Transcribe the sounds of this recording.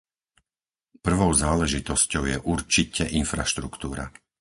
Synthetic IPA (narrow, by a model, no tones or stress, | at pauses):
pr̩ʋɔʊzaːlɛʒit̪ɔscɔʊjɛʔuɾt͡ʃicɛʔinfɾaʃt̪ɾukt̪uːɾa̰